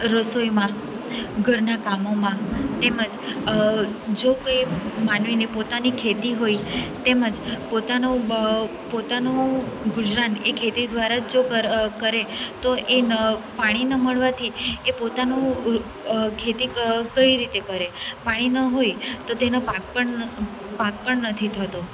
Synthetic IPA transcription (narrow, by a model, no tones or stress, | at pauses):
ɾəsojmã | ɡʱəɾnakamomãt̪eməd͡ʒ | d͡ʒokəjmanʋinipot̪anikʰet̪iɦoit̪eməd͡ʒpot̪anũ | pot̪anũɡʊd͡ʒɾanekʰet̪id̪ʋaɾad͡ʒokəkəɾet̪oʔenpaɽ̃inəməɭʋat̪ʰiepot̪anũ | kʰet̪ikəiɾit̪ekəɾepaɽ̃inəɦojt̪ot̪enopak̚pəɳ | pak̚pəɳnət̪ʰit̪ʰət̪o